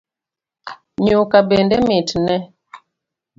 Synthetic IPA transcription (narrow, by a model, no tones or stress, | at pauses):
ɲokabendɛmetnɛ